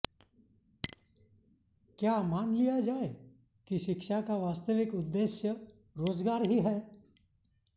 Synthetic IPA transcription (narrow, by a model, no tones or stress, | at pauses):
kjaːmaːnlijad͡ʒaːe | kiʃɪkʃakaʋaːst̪əʋɪkʊd̪ːeːʃjə | ɾoːzɡaːɾɦiɦɛː